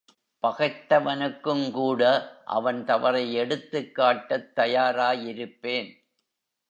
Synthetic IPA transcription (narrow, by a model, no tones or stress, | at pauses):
pɐɣɐɪt̪ːɐʋɐnɯkːɯmkuːɽɐʔɐ̰ʋɐnt̪ɐʋɐɾɐɪɛɽɯt̪ːɯkːaːʈːɐt̪ːɐjaːɾaːjɪɾɯpːeːn